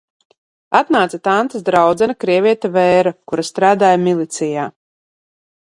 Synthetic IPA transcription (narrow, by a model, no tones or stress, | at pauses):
at̪naːt̪sat̪ant̪asd̪ɾawd̪zɛnakɾiɛvʲiɛt̪avɛjɾakuɾast̪ɾaːd̪aːjamilˠit̪sijaː